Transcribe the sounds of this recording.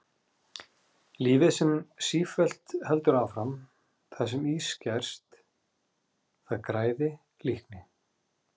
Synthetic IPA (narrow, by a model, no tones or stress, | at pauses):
liːvɪsɛmsiːfɛl̥t̪hɛlt̪ʏɾawfɾam | θas̬ɛmiːscɛr̥st̪ | θaðkɾaːjðɪ | lihknɪ